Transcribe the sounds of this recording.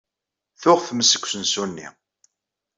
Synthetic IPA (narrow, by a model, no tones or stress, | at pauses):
θʊʁθməsːə̥kʷːsənsunːḭ